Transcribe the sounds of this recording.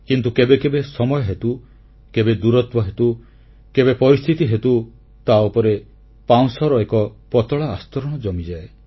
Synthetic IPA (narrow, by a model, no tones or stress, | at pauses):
kint̪ukebekebesɔmɔjɔɦet̪u | kebed̪uɾɔt̪wɔɦet̪u | kebepɔɾist̪ʰit̪iɦet̪u | t̪aupɔɾe | paw̃sɔɾɔekɔpɔt̪ɔɭaːst̪ɔɾɔɽ̃ɔd͡ʒɔmid͡ʒae